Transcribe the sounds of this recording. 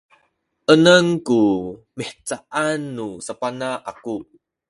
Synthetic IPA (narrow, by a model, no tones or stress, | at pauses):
ʔənəŋku | miħt͡saʔanːusapanaʔaku